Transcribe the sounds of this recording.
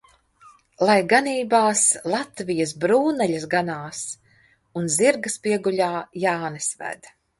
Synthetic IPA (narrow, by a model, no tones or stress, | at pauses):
lˠajɡaniːbaːslˠat̪vijɐsbɾuːnɛʎɐsɡanaːs | unziɾɡɐspiɛɡulʲaːjaːnɛsvæ̰d̪